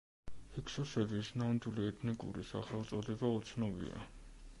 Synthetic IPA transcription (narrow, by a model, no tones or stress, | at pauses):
hikʰsɔsɛɾvisnand̪uliɛt̪ʰnikʼṵɾḭsa̰χɛlˠt̪sʼɔd̪ɛbaut̪sʰnɔbḭa̰